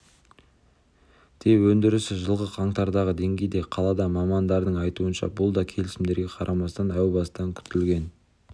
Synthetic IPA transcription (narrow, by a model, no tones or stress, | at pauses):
d̪̥ʰewɵnd̪ɪɾɪsɪʒəlˠʁəqʰɑɴt̪ɑɾd̪ɑʁəd̪e̞ŋɡʲejd̪e̞qʰɑlˠɑd̪ɑmɑmɑnd̪ɑɾd̪əɴɑjt̪uənʃɑ̰bʊlˠd̪ɑkʲʰe̞lɪsɪmd̪e̞ɾɡʲe̞qʰɑɾʔɑmɑst̪ɑnæwbɑsəd̪ɑŋkʲʰʏ̥t̪ɪlɡʲe̞n